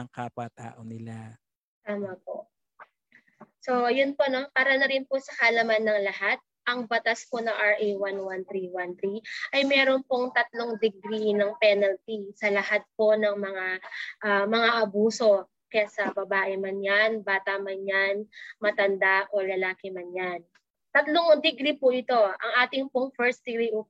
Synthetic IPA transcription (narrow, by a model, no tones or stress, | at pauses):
ɐŋkapat̪a̰ːʔonɪla | t̪aːmɐpo̞̰ | so̞jʊnpo̞no̞paːɾɐnɐɾɪnposɐkɐlɐmanːɐŋlɐhat̪̚ʔɐŋbɐt̪aspo̞nɐŋʔɐɹʔejwanwant̪ɾiwant̪ɾiʔɐjmɛːɾonpoŋt̪ɐt̪̚lo̞ŋd̪ɪɡɾinɐŋpɛnɐlt̪isɐlɐhat̪̚po̞nɐŋmɐŋaʔɐmɐŋaʔɐbuːso̞ | kɐjasɐbɐbaːʔɪmɐnjanbaːt̪ɐmɐnjanmɐt̪ɐnd̪aʔolɐlaːkɪmɐnjan | t̪ɐt̪loŋd̪ɪɡɾipʊʔɪt̪o̞ʔɐ̰ŋʔaːt̪ɪŋpoŋfɛɹsd̪̥ɪɡɾiʔʊ